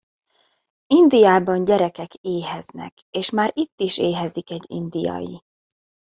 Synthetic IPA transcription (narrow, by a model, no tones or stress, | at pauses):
ind̪ijaːbɒɲɟɛɾɛkɛkeːɦɛznɛ̰k | eːʃmaːɾit̪ːiʃeːɦɛzikɛɟːḭnd̪ijɒ̰jḭ